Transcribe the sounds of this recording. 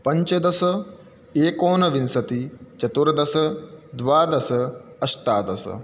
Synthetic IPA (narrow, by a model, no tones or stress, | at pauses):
pɐɲt͡ʃɐd̪ɐsɐ | eːkoːnɐʋinsɐt̪it͡ʃɐt̪uɾɐd̪ɐsɐd̪ʋaːd̪ɐsɐɐʃʈ̪aːd̪ɐsɐ̰